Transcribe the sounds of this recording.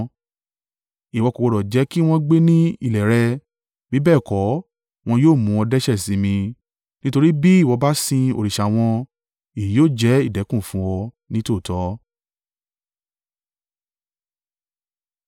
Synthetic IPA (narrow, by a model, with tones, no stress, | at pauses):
i˨wɔ˧ko˨wɔ˧ɾɔ˨d͡ʒɛ˨˦ki˦w̃ɔ̃˦ɡ͡be˦nĩ˦ḭ˦˨lɛ˨ɾɛ˧ | bi˨˦bɛː˦˨kɔ˨˦ | w̃ɔ̃˧joː˦˨mũ˨˧ɔ˧dɛ˦ʃɛ˦˨sĩ˨˦mĩ˧ | nĩ˦to˧ɾi˦bi˦i˦˨wɔ˨˧ba˦sĩ˧o̰˧ɾi˨ʃa˨w̃ɔ̃˧ | i˨i˨˦joː˦˨d͡ʒɛ˨˦i˦˨dɛ˨˦kũ˦˨fũ˦wɔ˧ | nĩ˦to˦˨tɔ˨˦